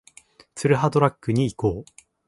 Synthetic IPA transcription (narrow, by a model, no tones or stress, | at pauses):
t͡sɨɾɯ̟ɦad̪o̞ɾakːɯ̟ɲ̟iːko̞ː